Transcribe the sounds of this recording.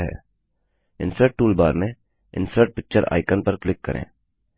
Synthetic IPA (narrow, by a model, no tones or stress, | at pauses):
ɦɛ̰ː | ɪ̰̃nsəɾʈ̚ʈuːlbaːɾmẽ | ɪ̰̃nsəɾʈ̚pɪk̚t͡ʃəɾʔa̰ːɪkənpəɾklɪkːə̰ɾʔḛ̃ː